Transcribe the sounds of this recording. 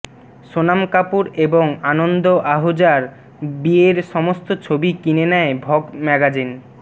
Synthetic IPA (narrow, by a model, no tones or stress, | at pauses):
ʃonamkapuɾeboŋanond̪oʔaɦod͡ʑaɾ | bieɾʃɔmost̪ot͡ɕʰobikinenɛebʱɔɡmɛɡad͡ʑin